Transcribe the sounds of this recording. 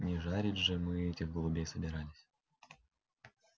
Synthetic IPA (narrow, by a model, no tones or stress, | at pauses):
nʲɪʐaɾʲɪdʲʐɨmɨɛtʲɪɣɡəlˠʊbʲesəbʲɪɾalʲɪsʲ